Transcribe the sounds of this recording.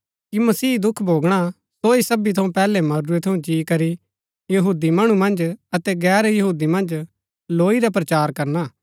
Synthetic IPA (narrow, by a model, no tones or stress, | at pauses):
kimɐsiːd̪ʊkʰbʱoːɡɽ̃a | soisɐbit̪ʰɐũpɛːlɛmɐɾuet̪ʰɐũd͡ʒiːkɐɾi | jɐɦuːd̪imɐɽ̃umɐ̃nd͡ʒɐt̪ɛɡɛːɾjɐɦuːd̪imɐ̃nd͡ʒ | loːiɾap̬ɾɐt͡ʃaːɾkɐɾna